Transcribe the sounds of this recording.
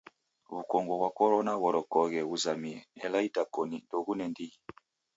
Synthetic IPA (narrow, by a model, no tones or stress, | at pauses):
βukɔŋɡɔβwakɔɾɔnaβɔɾɔkɔɣɛβuzamiɛɛlaitakɔnindɔɣunɛndii